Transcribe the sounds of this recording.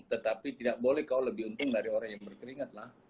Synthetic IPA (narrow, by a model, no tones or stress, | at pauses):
t̪ət̪apit̪idaʔ̚bolɛhkaoləbɪhunt̪ʊŋdaɾioɾaŋjaŋbərkəɾiŋat̪̚lah